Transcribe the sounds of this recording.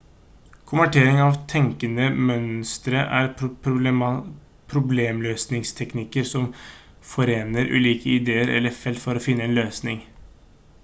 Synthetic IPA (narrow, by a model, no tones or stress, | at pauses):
kʰʊmʋæʈʰeːɾɪŋɑʋt̪ʰɛŋkənəmœnst̪ɾəʔæɾp | pʰɾʊbleːmløːsnɪŋst̪ʰɛknɪkəɾsɔm | fɔɾeːnəɾʉ̰ːliːkəɪd̪eːəɾɛ̰lːəɾfɛlt̪fɔɾɔfɪnːəeːnløːsnɪŋ